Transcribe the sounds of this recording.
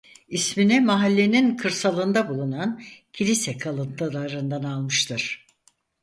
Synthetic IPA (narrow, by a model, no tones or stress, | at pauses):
isminimaɦalʲːe̞ninkʰɯɾsalˠɯnd̪abulˠunancʰilʲisɛkʰalˠɯnt̪ɯlˠaɾɯnd̪analˠmɯʃt̪ʰɯɾ̥